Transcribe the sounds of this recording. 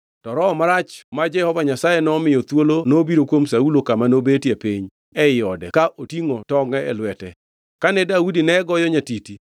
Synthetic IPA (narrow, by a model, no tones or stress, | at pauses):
tɔɾɔːmaɾat͡ʃmad͡ʒɛhɔvaɲasajɛnɔmɪjɔt̪wolonobiɾokwomsaulokamanobetjepeɲ | ɛɪjɔdɛkaʔotiŋotɔŋɛɛ̰lwɛtɛ | kanɛdaudinɛɡɔjɔɲatiti